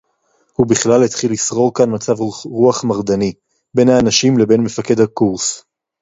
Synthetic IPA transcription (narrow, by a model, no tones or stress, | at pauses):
hubiχlalhet̪χilːisʁo̞ʁkanmat͡savʁuaχmaʁd̪ani | be̞nhaːnaʃimle̞be̞nme̞fake̞d̪hakuʁs